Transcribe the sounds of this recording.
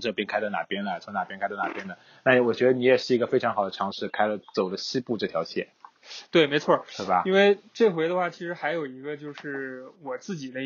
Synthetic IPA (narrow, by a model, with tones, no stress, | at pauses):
ʈ͡ʂɤ˥˧pjɛ˥˩nkʰa˥d̪na˨˩pjɛ˥nlə˨˩t͡sʰo˧˥ŋna˨˩pjnkʰa˥ɪd̪ɑ˥˩na˨˩pjɛ˥nd̪ə˨˩ | na˥˩˨wɔ˨˩t͡ɕɥɛ˧˥d̪ə˧ni˧˥jɛ˨˩ʂɻ̩˥˩i˧˥ɡə˧fe˥ɪʈ͡ʂʰɑ˧˥ŋxɑ˨˩ʊd̪ə˦ʈ͡ʂʰɑ˧˥ŋʂɻ̩˥˩kʰa˥ɪlə˨t͡so˨˩ʊlə˦ɕi˥pu˥˧ʈ͡ʂɤ˥˩t̪ʰjɑ˧˥ɕʰjɛ̰˥˩ | t̪we˥˩ɪme˧˥ɪt͡sʰwɔ˥˩t̪we˥˩bɐ̰˩i˥nwe˥˩ɪʈ͡ʂe˥˩ɪxwe˧˥ɪd̪ə˧xwa˥˩t͡ɕʰi˧˥ʂɻ̩˧˥xa˧˥ɪjo˨˩ʊi˧˥ɡə˧t͡ɕjo˥˧ʊʂɻ̩˥˩wɔ˨˩t͡sɹ̩˥˩t͡ɕi˨˩d̪ə˦